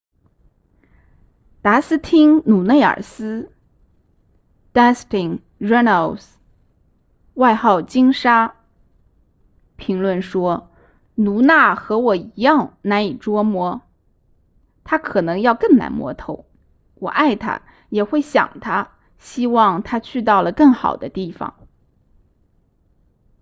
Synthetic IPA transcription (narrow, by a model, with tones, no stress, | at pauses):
t̪a˧˥sɹ̩˥t̪ʰi˥ŋnu˨˩ne˥˩ɪə̰˞˨˩sɹ̩˥ | t̪a˥st̪i˨˩ŋ | ɻɛ˥nə˨˧˩ls | wa˥˧ɪxɑ˥˩ʊt͡ɕi˥ŋʂa˥ | pʰi˧˥ŋlwə˥˩nʂwɔ˥ | nu˧˥na˥˩xɤ˧˥wɔ˨˩i˧˥jɑ˥˩ŋna˧˥ni˨˩ʈ͡ʂwɔ˥mwɔ˧˥ | t̪ʰa˥kʰɤ˨˩nɤ˧˥ŋjɑ˥˧ʊkɤ˥˩ŋna̰˧˥nmwɔ̰˧˥t̪ʰo˧˥ʊ | wɔ˨˩ʔa˥˩ɪt̪ʰa̰˥ | jɛ˨˩xwe˥˩ɪɕjɑ̰˨˩ŋt̪ʰa˥ | ɕi˥wɑ˥˧ŋt̪ʰa˥t͡ɕʰy˥˧t̪̬ɑ˥˩ʊlə˩kɤ˥˩ŋxɑ̰˨˩ʊd̪ə˦t̪i˥˩fɑ̰˨˩ŋ